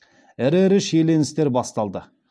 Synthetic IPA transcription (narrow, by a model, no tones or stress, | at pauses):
ɪɾeɾɪʃele̞nɪst̪e̞ɾbɑst̪ɑlˠd̪ə